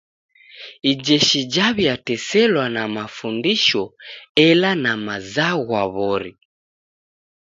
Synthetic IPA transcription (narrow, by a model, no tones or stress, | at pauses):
id͡ʒɛʃid͡ʒaβjatɛsɛlwanamafundiʃɔɛlanamazaɣwaβɔɾi